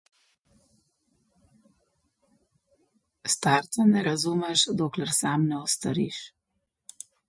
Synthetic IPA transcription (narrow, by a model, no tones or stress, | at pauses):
st̪aːɾt̪sanɛɾazuːmɛʃd̪oːklɛɾsaːmnɛɔst̪a̰ɾḭːʃ